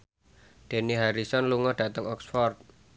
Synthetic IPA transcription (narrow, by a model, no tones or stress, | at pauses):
d̪̥e̤niɦaɾisɔnluŋɔɖ̥a̤t̪əŋɔksfɔrt̪̚